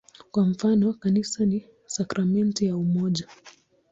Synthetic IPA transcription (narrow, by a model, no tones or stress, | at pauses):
kwam̩fanɔkanisani | sakɾamɛntijaumɔʄa